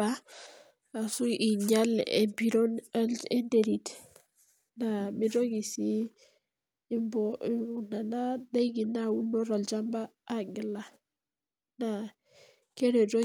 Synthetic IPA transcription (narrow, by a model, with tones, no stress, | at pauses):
a˦ | a˨su˦ʔi˨ɲa˦lḛ˨bi˦ɾo˦nae˦nde˨ɾi˨t | na˨mi˦ɾo˦ɡi˨si˦ | mbɔ˨u˨na˨na˦da˦ɡi˨na˦wu˦nɔ˦ɾa˨ld͡ʒa˦mbaː˦ɡi˨la˨ | na˨ | ke˦ɾe˨ɾo˦